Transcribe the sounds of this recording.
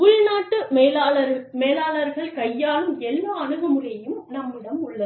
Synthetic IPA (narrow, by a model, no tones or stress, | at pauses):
ʊɻnaːʈːɯmeːlaːlɐɾmeːlaːlɐɾɣɐɭkɐjːaːlɯmɛlɪmɐɐɳɯɣɐmɯrɐjɯmnɐmːɪɽɐmʊɭːɐ